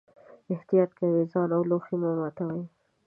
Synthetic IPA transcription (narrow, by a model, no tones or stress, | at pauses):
ɪht̪ijɑt̪̚kawizɑnawloximomat̪awaj